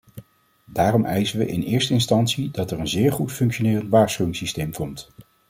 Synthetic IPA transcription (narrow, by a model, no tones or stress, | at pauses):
daːrɔmʔɛjzəʋəʔɪ̰nɪːɹstəɪnstɑntsidɑtɛɹənzɪːɹχutfɵŋkʃonɪːrəntʋaːɹsχyʋɪŋsistejmkɔmt